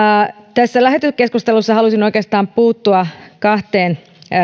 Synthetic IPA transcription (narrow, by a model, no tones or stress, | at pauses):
t̪æsːælæɦet̪yskeskust̪elusːɑhɑlusinoikeːst̪ɑːmpuːt̪ːuɑkɑht̪eːn